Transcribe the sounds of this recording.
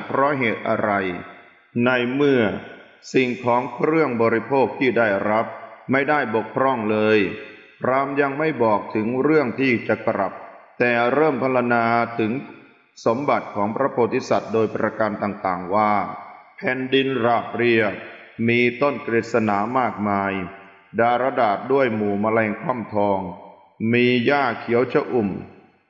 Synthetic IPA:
pʰɾɔ˦˥ɦeː˨˩t̪̚ʔa̰˧ɾa˧j | na˧jmɯ˥˩ɐ | si˨˩ŋkʰɔː˩˦ŋkɾɯ˥˩əŋbɔː˧ɾi˧˥pʰoː˥˩k̚t̪ʰiː˥˩daː˥˩jɾa˦˥p̚ma˥˩jda˥˩jbo˨˩k̚pʰɾɔ˥˩ŋlɤː˧j | ɾaː˧mja˧ŋma˥˩jbɔː˨˩k̚t̪ʰɯ˩˦ŋɾɯ˥˩əŋt̪ʰiː˥˩t͡ɕa˨˩kɾa˨˩p̚t̪ɛː˨˩ɾɤː˥˩mpʰa˧˥la˧naː˧t̪ʰɯ˩˦ŋ | so˩˦mba˨˩t̪̚kʰɔː˩˦ŋpɾa˧˥pʰoː˧˩t̪ʰːi˦˥˩sa˨˩t̪̚doː˧jpɾa˧ka˧nt̪aː˨˩ŋt̪aː˨˩ŋwaː˥˩pʰɛː˨˩ndi˧nɾaː˨˩p̚ɾi˧ə | miː˧t̪o˥˩nkɾeː˨˩t̪̚sa˧naː˩˦maː˥˩k̚maː˧j | daː˧ɾa˧daː˨˩t̪̚du˥˩əjmuː˨˩ma˧lɛː˧ŋkʰa˥˩mt̪ʰɔː˧ŋ | miː˧jaː˥˩kʰːi˨˩˦əwt͡ɕʰa˧ʔu˨˩m

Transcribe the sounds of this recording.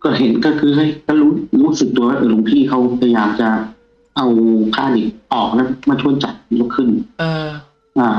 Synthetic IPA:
kɔː˧˩ɦe˨˦nkɔː˥˧˩kʰɯː˧ha˧˥˩jkɔ˧˥˩luː˦˥ɾuː˦˥sɯ˨˩k̚t̪u˧ɐwaː˧˥ʔɤː˧˩lu˨˦ŋt̪ʰiː˧˥˩kʰa˦˥wt̪ɛ˧˩jaː˨˩k̚t͡ɕa˨˩ | ʔa˧wkʰaː˧˩di˨˩ʔɔː˨˩k̚lɛ˦˥maː˧˥˩t͡ɕ̪ʰu˧˥ənt͡ɕa˨˩t̚lo˧˥kʰɯ˧˩n | ʔaː˧˩

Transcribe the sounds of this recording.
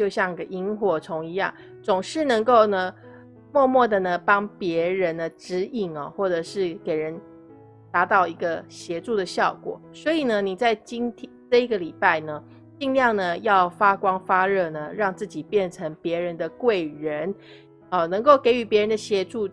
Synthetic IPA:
t͡ɕjo˥˧ʊɕjɑ˥˧ŋi˧ɡə˨ʔi˥ŋxwɔ˥˩ʈ͡ʂʰʊ˧˥ŋi˧˦jɑ̰˥˩ŋ | t͡sʊ˨˩ŋʂɻ̩˥˩nə˧˥ŋko˥˩ʊnə˩ | mwɔ˥˧mwɔ˥˩d̪ə˩nə˩pɑ˥ŋpjɛ˧˥ɻə˧˦nd̪ə˧ʈ͡ʂɻ̩˧˥i˥˩ŋɐ˨xwɔ˥˩ʈ͡ʂɤ˨˩ʂɻ̩˥˩ke˨˩ɪɻə˧˦n | t̪a˧˥t̪ɑ˥˩ʊi˧˥ɡə˧ɕjɛ˧˥ʈ͡ʂu˥˩d̪ə˩ɕjɑ˥˩ʊkwɔ̰˨˩˦swɔ˧˥i˨˩nə˦ni˨˩t͡sa˥˩ɪt͡ɕi˥ŋt̪ʰɛ˥ʈ͡ʂɤ˥˧i˧˥ɡə˨li˨˩pa˥˩ɪnə˩ | t͡ɕi˥˧ŋljɑ˥˩ŋnə˩jɑ˥˩ʊfa˥kwɑ˥ŋfa˥ɻɤ˥˩nə˩ɻɑ˥˧ŋt͡sɹ̩˥˩t͡ɕi˨˩pjɛ˥˩nʈ͡ʂʰə˧˥ŋpjɛ˧˥ɻə˧˦nd̪ə˨kwe˥˩ɪɻə˧˦n | ɔ˨˩nɤ˧˥ŋko˥˩ʊke˧˥ɪy˧˥pjɛ˧˥ɻə˧˦nd̪ə˧ɕjɛ˧˥ʈ͡ʂu˥˩

